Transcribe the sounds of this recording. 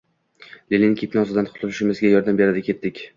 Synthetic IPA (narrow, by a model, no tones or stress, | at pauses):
lʲelʲɪŋkʰʲipnɑzɪd̪ant̪ʰʊ̥t̪ʰʊlɪʃɪmɪzɡʲajɒɾd̪ambe̞ɾad̪ɪkʲʰe̞t̪ːɪkʲ